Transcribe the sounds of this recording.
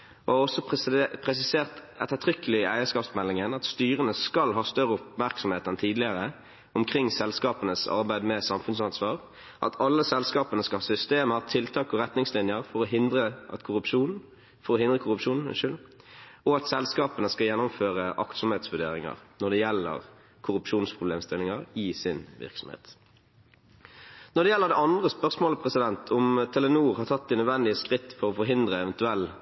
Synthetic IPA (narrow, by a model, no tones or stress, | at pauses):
ɔɔsɔppʰʁɛs̬ɪseːʁt̪ | ɛt̪ːət̪ʰʁʏkəlɪɪæɪəskɑːpsmɛlːɪŋənɑt̪st̪yːʁənəskɑlɦɑːst̪œʁəʊpmæɾksɔmheːt̪ɛnt̪ʰiːd̪lɪəʁə | ʊmkʰʁɪŋːsɛlskɑːpənəsɑ̰ʁbæɪd̪mɛsɑmfʉnsɑnsʋɑːʁ | ʔɑ̰t̪ʰɑlːəsɛlskɑːpənəskɑlhɑːsʏst̪eːməɑt̪ʰɪlt̪ʰɑːkɔʁɛt̪nɪŋslɪnjəɾfɔɾɔɦɪnd̪ʁəɑt̪kʰʊpʃuːn | fɔɾɔhɪnd̪ʁəkʰʊɾʉpʂuːnn̩̰ʃʏl | ɔɑt̪sɛlskɑːpənəskɑjɛnːʊmføːʁəʔɑkt̪sɔmheːt̪sʋʉɖḛːɾɪŋɑ̰ʁnɔd̪ɛjɛlːə̰ʁ | kʰʊʁʉpʂuːnspʰʁʊbleːmst̪ɪlːɪŋɑʁɪsɪnʋɪ̰ʁksɔm̩hḛːt̪ | nɔʁd̪ɛjɛlːəʁd̪ɛɑnd̪ʁəspœʁsmoːləpʰʁɛsɪd̪ɛnt̪ʰʊmt̪ʰɛlənuːʁhɑʁt̪ʰɑt̪̚ːd̪ɪnœd̪ʋɛnd̪ɪəskʁɪt̪ːpʰɔʁɔfɔɾɦɪnd̪ʁəɛʋɛnt̪ʉɛlː